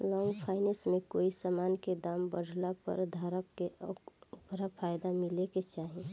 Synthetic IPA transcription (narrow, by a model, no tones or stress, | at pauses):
lɔ̃ːŋɡpʰaːɪnesmẽkoːisamaːnked̪aːmbəɽʱlapə̰ɾd̪ʱaɾəp̚keʔupɾapʰaːjd̪amɪleket͡ʃaːɦẽ